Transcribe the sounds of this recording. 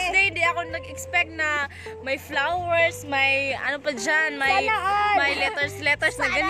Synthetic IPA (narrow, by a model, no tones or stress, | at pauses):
d̪ɛd̪ɪʔɐkonɐɡɛkspɛk̚t̪̚nɐ | mɐjflawɛɹsmɐjɐ̰nopɐd͡ʒanmɐjmɐjlɛt̪ɛɹslɛt̪ɛɹsnɐɡɐn